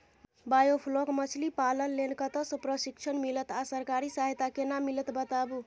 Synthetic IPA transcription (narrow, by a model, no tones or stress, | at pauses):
bajopʰlokmət͡ʃʰlipalənlenkət̪əsəpɾəsikt͡ʃʰənmilət̪asəɾkaɾisaɦjt̪akenamːilət̪bət̪abu